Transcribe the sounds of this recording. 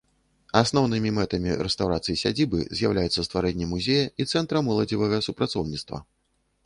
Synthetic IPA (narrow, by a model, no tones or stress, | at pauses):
asnɔwnɨmʲimɛt̪ɐmʲḭɾɛst̪awɾat̪sɨjisʲa̰d͡zʲibɨ̰zʲjawlʲajɛt̪sɐst̪vaɾɛnʲːɛmuzʲejɐit̪sɛnt̪ɾɐmɨlˠɐd͡zʲivɐɣɐsupɾat̪sɔwnʲit̪st̪vɐ̰